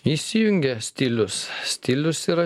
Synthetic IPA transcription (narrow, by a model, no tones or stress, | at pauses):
isʲːɪjyŋɡʲɛsʲt̪ʲilʲʊsst̪ʲilʲʊsiɾɐ